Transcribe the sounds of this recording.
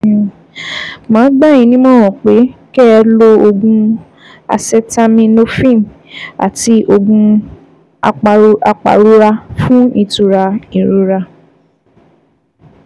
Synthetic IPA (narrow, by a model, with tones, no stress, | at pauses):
mãː˨˦ɡ͡ba˦˨jĩ˧nĩ˦mɔ̃˦wɔ̃˨k͡pe˨˦kɛ˦ɛ˧lo˧o˧ɡũ˧ | a̰˧sɛ˦ta˦mĩ˧no˦fĩ˦˨m | a̰˨ti˧˦ʔo˧ɡũ˧ | a˧k͡pa˨˦ʔa˧k͡pa̰˨ɾu˦ɾa˧fũ˦i˧tu˧ɾa˧i˨ɾu˨˦ɾa˧